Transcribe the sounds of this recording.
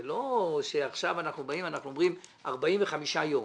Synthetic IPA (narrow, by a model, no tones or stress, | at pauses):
lo̞ʃeaχʃavanaχnubaimanaχnuo̞mʁimaʁbaimveχamiʃajo̞m